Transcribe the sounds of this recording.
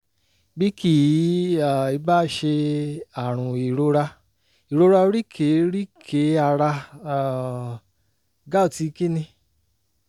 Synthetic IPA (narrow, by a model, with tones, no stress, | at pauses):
bi˦ki˦a˦˨i˧ba˦˨ʃe˧a˨ɾ̃ũ˨i˨ɾo˧˦ɾa˧ | i˨ɾo˧ɾa˧˦ɾi˦kʰe˨˦ɾi˦kʰe˨˦a˧ɾa˧˨ | ɡa˦o˨ti˨˧ki˦nĩ˧